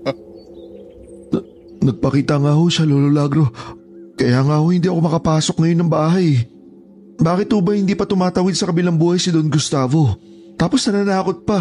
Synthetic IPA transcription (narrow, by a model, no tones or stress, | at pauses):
nɐɡ̚pɐkiːt̪ɐŋaːho̞ʃaloːlolaːɡɾo̞ | kɐjaːŋaːhohɪnd̪iːɐko̞mɐkɐpaːsok̚ŋɐjo̞nːɐŋbaːɦɐj | baːkɪt̪hoːbɐhɪnd̪iːpɐt̪ʊmaːt̪ɐwɪd̪̚sɐkɐbɪlaŋbuːhɐjsɪd̪onɡʊst̪aːvo̞ | t̪aːpo̞snɐnaːnaːkot̪̚pɐ